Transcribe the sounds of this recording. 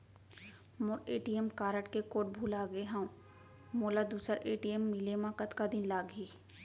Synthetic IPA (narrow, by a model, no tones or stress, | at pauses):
mʊɾeːʈiemkaːɾəʈkekoːʈ̚bʱuːlaɡeɦɛ̃ũ | moːlad̪uːsəɾeːʈiemːilemãkət̪kad̪ɪnlaːɡiː